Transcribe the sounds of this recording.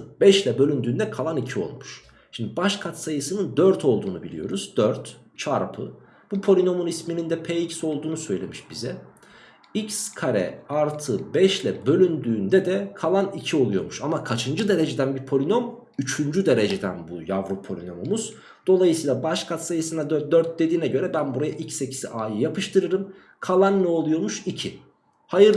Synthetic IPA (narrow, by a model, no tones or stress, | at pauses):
bɛʃlʲɛbø̞lʲynd̪yːnd̪ɛkʰalˠanicʰio̞̰lˠmuʃ | ʃimd̪ibaʃkʰat̪sajɯsɯnɯnd̪øɾt̪ʰo̞lˠd̪uːnubilʲḭjo̰ɾuz̥d̪øɾt̪ | t͡ʃʰaɾpʰɯ | b̥upʰo̞lʲino̞munisminind̪ɛpʰɛːicso̞lˠd̪uːnusø̞jlʲe̞̰miʃbizɛ | icskʰaɾɛ̰aɾt̪ʰɯbɛʃlʲɛbø̞lʲynd̪yːnd̪ɛd̪ɛkʰalˠanicʰio̞lˠujo̞̰ɾmuʃamakʰat͡ʃʰɯnd͡ʒɯd̪e̞ɾe̞d͡ʒed̪ænbiɾpʰo̞lʲino̞m | yt͡ʃʰynd͡ʒyd̪e̞ɾed͡ʒed̪æ̰nbujavɾopʰo̞lʲino̞momuz̥ | d̪̥o̞lˠajɯsiːlˠabaʃkʰat̪sajɯsɯnad̪d̪øɾt̪̚d̪e̞d̪iːnɛɟø̞ɾɛbænbuɾajaʔicse̞cʰi̥sḭʔaːjɯjapɯʃt̪ʰɯɾɯɾɯm | kʰalˠanːɛo̞lˠujoɾmuʃicʰi | hajɯɾ